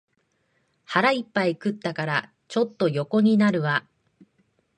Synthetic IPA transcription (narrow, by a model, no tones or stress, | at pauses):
haɾaipːaikɯ̟t̪ːakaɾa | t͡ɕo̞t̪ːo̞jo̞ko̞ɲ̟inaɾɯ̟βa